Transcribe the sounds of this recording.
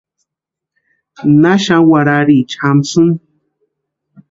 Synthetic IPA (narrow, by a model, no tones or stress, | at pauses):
naʃawaɾaɾit͡ʃamsun